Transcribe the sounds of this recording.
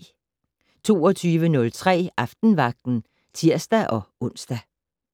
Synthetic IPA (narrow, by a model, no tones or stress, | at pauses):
t͡sʰo̝̰ːɒ̽t͡sʰyːʋənɔ̽lt͡sʰʁɛ̰ːʔɑ̈fd̥n̩ʋɑ̈ɡ̥̚d̥n̩ | t͡sʰiɐ̰sd̥æʔɒ̽ɔ̽n̰sd̥æ